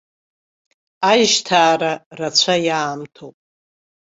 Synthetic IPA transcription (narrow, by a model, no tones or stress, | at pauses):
ajʒtʰaːɾarat͡ɕʷʰajaːmtʰowpʼ